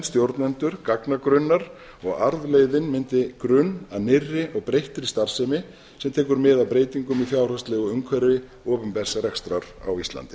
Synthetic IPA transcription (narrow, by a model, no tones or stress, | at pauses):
st̪jowɾt̪nɛnt̪ʏɾ̥kaknakɾʏnːaɾ̥ | ɔɣaɾðlejðɪnmɪnt̪ɪkɾʏnanɪrːɪʔɔɣpɾejht̪ɾɪst̪ar̥sɛmɪ | sɛmt̪ʰɛːkʏɾmɪðapɾeːjt̪iŋkʏmifjaːwr̥ast̪lɛːɣɔʏŋkʰvɛɾvɪ | ɔːpʏmpɛsːaɾɛxst̪ɾaɾ̥a̰wist̪la̰nt̪ɪ